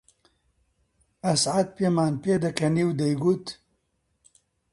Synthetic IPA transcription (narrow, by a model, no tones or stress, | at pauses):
ɐsʕad̪̚peːmaːnpeːd̪ɐkʰɐniwd̪ɐjɡut̪